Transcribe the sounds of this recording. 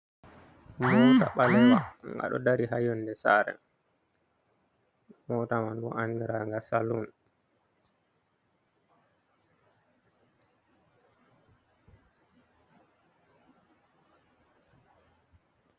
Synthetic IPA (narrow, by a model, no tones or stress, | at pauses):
mɔta̰ɓalɛwaŋɡa̰ɗɔ̰daɾihajɔnːdɛsa̰ɾɛ̰ | mɔtamandɔaŋɡiɾaŋɡasalun